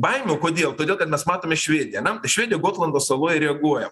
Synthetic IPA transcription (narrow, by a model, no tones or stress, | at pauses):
bɐɪmʲɛːkoːd̪ʲeːlˠt̪odʲeːlˠkɐt̪mʲɛsmɑːt̪oːmʲɪʃʲʋʲeːd̪ʲɪjɛnʲɛt̪ɐɪʃʲʋʲeːd̪ʲɪjɛɡoːt̪lˠɐnd̪oːsɐlˠoːjɪɾʲɛɐɡuɔjɛm